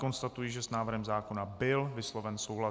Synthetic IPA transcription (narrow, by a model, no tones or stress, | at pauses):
ko̞nst̪at̪ujiʒɛsnaːvr̩ɦɛmzaːko̞nabɪlvɪslo̞vɛnso̞wɦla